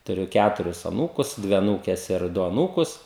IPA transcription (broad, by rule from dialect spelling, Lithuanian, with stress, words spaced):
tʊˈrʲʊ ˈkʲætʊrʲɪs ɐˈnuːkʊs ˈdʲʋʲɪ ɐˈnuːkʲɛs ɪr ˈdʊ ɐˈnuːkʊs